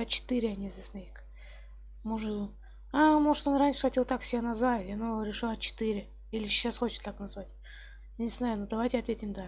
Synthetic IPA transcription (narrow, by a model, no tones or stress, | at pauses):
ɐt͡ɕɪ̥t̪ɨɾʲɪɐnʲizʲɪsnaik | moʐɨ | amo̞ʐɨ̥t̪onranʲʂɨ̥xɐtʲelˠt̪akfsʲɪbʲenɐzvajanoɾʲɪʂɨlˠɐt͡ɕɪ̥t̪ɨɾʲɪ | ilʲɪɕːasxo̞t͡ɕɪ̥t̪t̪ːaknɐzvatʲ | janʲɪznajʊnud̪ɐvajtʲɪɐt̪vʲetʲɪmʲd̪a